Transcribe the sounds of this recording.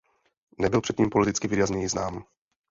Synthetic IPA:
nɛbɪlpr̥ɛt̪ɲiːmpo̞lɛt̪ɪt͡skɪvɪdɛazɲɛjɪznaːm

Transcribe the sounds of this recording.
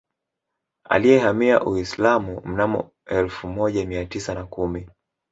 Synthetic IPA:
a̰lijɛhamia̰ʔuislamum̩namɔ̰ | ɛlfumɔʄamiatisanakumi

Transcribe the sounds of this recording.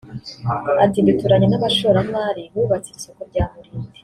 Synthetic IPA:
atiːndutuɾaɲenamaʃoːɾamaːɾiβuːβat͡siiso̞koɾɟaːmuɾiːnde

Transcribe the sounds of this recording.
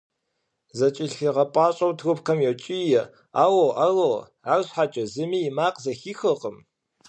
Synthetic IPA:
zɐt͡ʃʼɪɬiʁɐpʼɑːɕʼɐwtʰrʊpkʰɐmjɛwt͡ʃʼijɛ | aːwoʔɐrow | aːrɕħat͡ʃʼɐzɨmiːjɪmaːqzɐxiːxɨqəm

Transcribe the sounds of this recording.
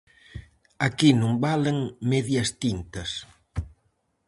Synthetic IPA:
akinũmbaleŋmɛðjɐst̪int̪ɐs

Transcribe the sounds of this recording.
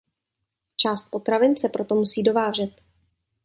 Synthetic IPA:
t͡ʃaːst̪̚po̞t̪ɾavɪnt͡sɛpɾo̞t̪o̞musiːdo̞vaːʒ̝ɛt̪

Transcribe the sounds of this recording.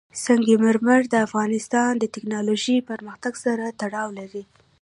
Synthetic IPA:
saŋɡeməɾməɾd̪əafɣɑnɪst̪ɑnd̪ət̪ɪknɑloʒipəɾməxt̪aɡsaɾat̪aɽɑwlaɾi

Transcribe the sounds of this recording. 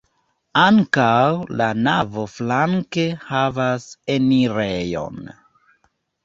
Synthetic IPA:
aŋkawlanavo̞flaŋke̞havase̞niɾejo̞̰n

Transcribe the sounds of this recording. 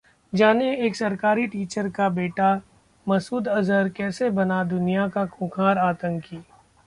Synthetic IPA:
d͡ʒaːneeːksɐɾkaːɾiʈiːt͡ʃəɾkabeːʈa | mɐsuːd̪ɐzəɾkɛːsebɐnad̪ʊnijakakʰũːkʰaːɾaːt̪ə̃ŋkiː

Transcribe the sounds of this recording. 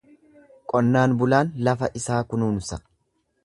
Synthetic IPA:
kʼɔnːaːnbʊlaːnlɐfɐʔɪsaːkʊnuːnʊsɐ

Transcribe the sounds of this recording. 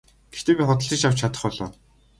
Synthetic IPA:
ɡ̥ext̪eːpʲiːχʊt̪ə̆ɮt͡ɕĭt͡ɕaw̥t͡ɕʰat̪ə̆χpɔɮɔ̰ː

